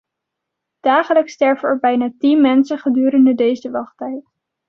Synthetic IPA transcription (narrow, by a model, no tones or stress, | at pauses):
d̥aːχələkstɛɹvənɛɹbɛjnaːtinmɛnsəχədyːɾəndədejzəʋɑχtɦɛjt